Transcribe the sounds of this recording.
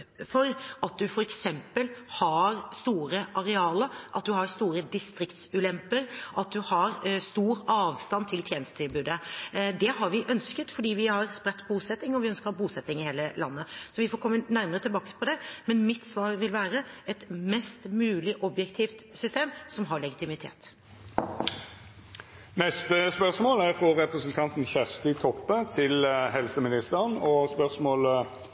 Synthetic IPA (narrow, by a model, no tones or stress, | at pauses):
fɔɾɑt̪̚d̪ʉfɔɾɛksɛmpəlhɑɾst̪uːɾəʔɑɾɛɑːləɾʔɑt̪̚d̪ʉhɑɾst̪uːɾəd̪ɪst̪ɾɪkt̪sʉːlɛmpəɾʔɑt̪̚d̪ʉhɑɾst̪uːɾɑːʋst̪ɑnt̪ʰɪlt̪ʰjeːnəst̪ət̪ʰɪlbʉːd̪əd̪ɛhɑɾʋɪʔœnskət̪fɔɖiːʋɪhɑɾspɾɛt̪ːbbuːsɛt̪ːɪŋɔʋɪœnskəɾɑbuːsɛt̪ːɪŋɪheːləlɑ̰nːəsɔʋɪfɔɾkʰɔmːənæɾməɾət̪ʰɪlbɑːkə̥pʰɔd̪ɛmɛnmɪt̪sʋɑːɾʋɪlʋæːɾəɛt̪mɛst̪mʉːlɪʔɔbjɛkt̪ʰiːft̪sʏst̪eːmsɔmɦɑɾɭɛɡɪt̪ɪmɪt̪ʰḛːt̪ | nɛst̪əspœʁsmoːlæfɾɔɾɛpɾəsənt̪ʰɑnt̪n̩çæʁst̪ɪt̪ʰɔpːət̪ʰɪlɦɛlsəmɪnɪst̪əʁənɔspœʁsmoːl